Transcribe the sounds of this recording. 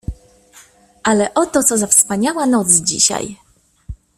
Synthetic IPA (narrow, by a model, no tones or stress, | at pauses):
ʔalɛʔɔt̪ɔt̪sɔzafspaɲawanɔt̪sd͡ʑḭɕa̰j